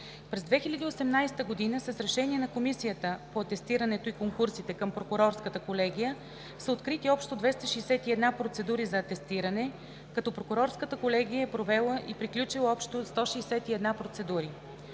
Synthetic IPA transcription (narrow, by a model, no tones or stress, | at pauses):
pɾɛzd̪vɛxilʲəd̪iosɛmnajst̪əɡod̪inəsəsɾɛʃɛniɛnɐkomisijət̪əpoɐt̪ɛst̪iɾənɛt̪oikoŋkuɾsit̪ɛkəmpɾokʊɾɔɾskət̪əkolɛɡ̟ʲijə | səot̪kɾit̪iɔpʃt̪od̪vɛst̪əʃɛjsɛt̪iɛd̪napɾot̪sɛd̪uɾizɐːt̪ɛst̪iɾənɛ | kɐt̪ɔpɾokʊɾɔɾskət̪əkolɛɡ̟ijəɛpɾovɛlˠəʔipɾiklʲut͡ʃilˠɔpʃt̪ost̪ɔʃɛsɛt̪iɛd̪napɾot̪sɛd̪uɾi